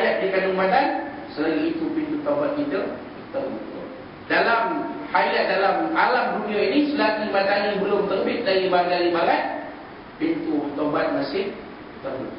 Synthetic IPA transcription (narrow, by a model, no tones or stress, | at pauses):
ajat̪̚dikanʊŋmadansəlaliit̪upint̪ut̪awbat̪̚kit̪ə | t̪ərbut̪ | dalamhajat̪̚dalamalamduniainisəlatimadalibəlʊmt̪ərbɪt̪̚daɾibaɡalibalat̪̚ | pint̪ut̪obat̪̚masɪh | t̪ərbut̪̚